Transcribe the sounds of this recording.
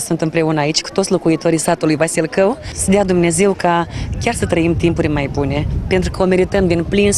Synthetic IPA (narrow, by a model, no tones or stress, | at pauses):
sunt̪ɨmpɾe̞unəait͡ʃʲku̥t̪o̞t̪sʲlo̞kuit̪o̞ɾisat̪ulujvasilkəwsəd̪ead̪umne̞ze̞wkakʲarsət̪ɾəimt̪impurʲmajbune̞pe̞nt̪ɾukəo̞me̞ɾit̪əmd̪inplin